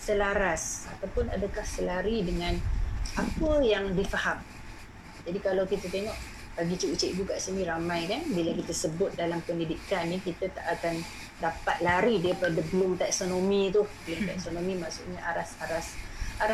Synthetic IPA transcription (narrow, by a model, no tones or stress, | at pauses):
səlaɾasat̪awpʊnadəkahsəlaɾidəŋãnʔapəjaŋdifaham | d͡ʒadikalawkit̪ət̪eŋɔʔ | baɡit͡ʃiʔut͡ʃɪʔbuɡaʔsinĩɾamãjkanbilakit̪əsəbʊt̪̚dalampəndidikanːikit̪ət̪aʔakan | dapat̪̚laɾidiəpadəbəlʊmt̪ɛk̚sonomit̪ubəlʊmt̪ɛksonomimaʔsuʔɲaʔaɾasaɾasaɾa